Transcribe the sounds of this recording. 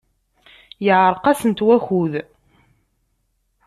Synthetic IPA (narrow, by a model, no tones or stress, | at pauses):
jəʕɾˤqɑsənt̪wæçuð